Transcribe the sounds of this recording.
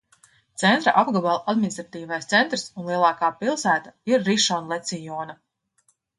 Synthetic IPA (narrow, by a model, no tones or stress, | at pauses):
t̪sent̪ɾaʔabɡɔbalˠad̪minist̪ɾat̪iːvajst̪sɛnt̪ɾɨsunlˠiɛlˠɑːkaːpilˠsæːt̪aiɾːiʃɔnlˠet̪sijɔːna